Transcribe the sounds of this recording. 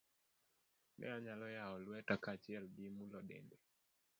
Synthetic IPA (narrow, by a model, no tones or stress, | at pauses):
mɛ̰aɲalɔjaɔlwɛtakat͡ʃialɡimulɔɗɛ̰ndɛ